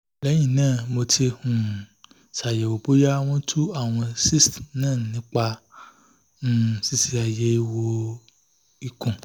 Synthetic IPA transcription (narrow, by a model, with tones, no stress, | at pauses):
lɛ˨˦j̃ĩ˦˨nãː˦˨mo˧tʰi˧hũ˨ | sa˨je˨wo˨bu˦ja˦w̃ɔ̃˦tʰu˦a˦˨w̃ɔ̃˧si˦˨stnãː˦˨nĩ˨˦k͡pa˧˨ | si˦si˧a˨je˨˦i˧wo˧ | i˧kũ˨